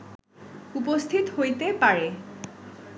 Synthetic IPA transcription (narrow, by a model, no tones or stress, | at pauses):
upost̪ʰit̪hojt̪epaɹe